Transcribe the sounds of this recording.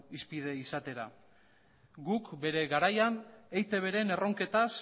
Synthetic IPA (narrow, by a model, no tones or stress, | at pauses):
ispið̞e̞isat̪e̞ɾa̰ | ɡukbe̞ɾe̞ɣaɾajanejt̪e̞β̞e̞ɾe̞ne̞ro̞ŋke̞t̪as